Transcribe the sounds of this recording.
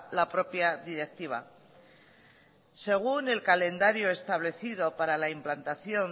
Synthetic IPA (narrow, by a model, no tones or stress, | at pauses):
lapɾo̞pjaðiɾe̞k̚t̪iβ̞a̰ | se̞ɣ̞une̞lkale̞nd̪aɾjo̞e̞st̪aβ̞le̞θið̞o̞paɾalaimplant̪aθjo̞n